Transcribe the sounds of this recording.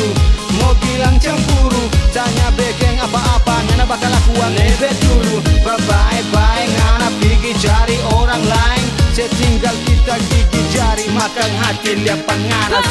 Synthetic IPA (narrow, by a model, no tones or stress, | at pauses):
mobilaŋt͡ʃaŋbuɾusaɲabɛkɛŋapaʔːpananabakalakuanlebɛt̪uɾubəbaɛbaɛŋanappiɡid͡ʒaɾioɾaŋlaɛŋsɛt̪iŋɡalkit̪akiɡid͡ʒaɾimakaŋɦat̪iliapanŋana